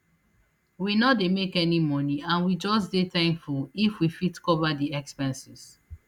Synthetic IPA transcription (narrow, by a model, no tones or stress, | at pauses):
winɔdemekɛnimɔniãnwid͡ʒɔsdetãɪ̃mfɔifwifitkɔvadiɛkspɛ̃nsis